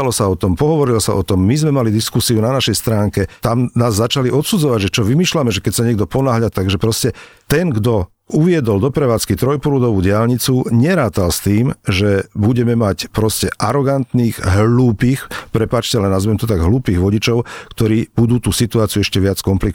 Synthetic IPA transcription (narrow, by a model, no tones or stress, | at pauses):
alɔsaɔt̪ɔmpɔɦɔʋɔɾilɔsa̰ʔɔt̪ɔmːizmɛmalid̪iskusiunanaʃɛjst̪ɾaːŋkɛt̪amnaːzːat͡ʃaliʔɔt̪sud͡zɔʋaɟʒɛt͡ʃɔʋimiːʃlamɛʒɛkɛcsaɲɪɛɡ̚d̪ɔpɔnaːɦʎat̪aɡʒɛpɾɔscɛt̪ɛnɡd̪ɔ | uʋɪɛd̪ɔld̪ɔpɾɛʋaːt͡skit̪ɾɔjpɔlud̪ɔʋuːɟɪalɲit͡suɲɛɾaːt̪alst̪iːmʒɛbuɟɛmɛmacpɾɔscɛʔaɾɔɡant̪niːɣɦluːpiːxpɾɛpaːt͡ʃcɛalɛnazʋɛmt̪ɔt̪aɡɦluːpiːɣʋɔɟit͡ʃɔʊkt̪ɔɾiːb̥ud̪uːt̪uːsit̪uaːt͡siuɛʃcɛʋɪat͡skɔmplik